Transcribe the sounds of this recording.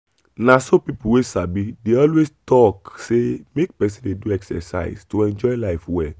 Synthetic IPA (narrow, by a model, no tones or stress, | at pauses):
nãsopipuwesabideɔlwestɔksemek̚pɛs̬ĩndeduɛksɛ̰sa̰ɪstoɛ̃nd͡ʒɔjlaɪfwɛl